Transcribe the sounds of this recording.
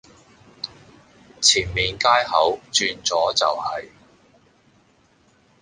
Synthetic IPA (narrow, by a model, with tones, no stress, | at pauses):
t͡sʰiː˨˩nmiː˨nkaː˥jhɐ˨˥wt͡ʃyː˧nt͡sɔː˨˥t͡sɐ̰˨whɐ˨j